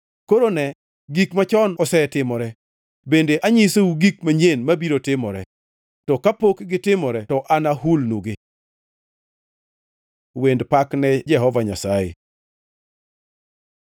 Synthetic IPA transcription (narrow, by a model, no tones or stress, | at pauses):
koɾonɛ | ɡikmat͡ʃɔnɔsɛtɪmɔɾɛ | bendeʔaɲɪseuɡik̚maɲenmabiɾotɪmɔɾɛ | tɔkapokɡɪtɪmɔɾɛtɔʔanaɦulnuɡe | wendpaknɛd͡ʒɛɦɔvaɲasajḛ